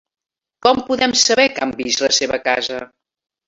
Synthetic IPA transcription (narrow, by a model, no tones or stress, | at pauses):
kɔmpuðɛmsəβɛkambizləseβəkazə